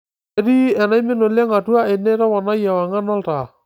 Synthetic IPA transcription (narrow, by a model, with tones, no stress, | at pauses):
ɛ˦ɾi˦ɛ˨na˦jmɪ˦no˨lɛ˦ŋa˨tu˦a˦e˨nɛ˦ɾa˦wa˨na˦ja˨wa˨ŋa˦na˦lta˨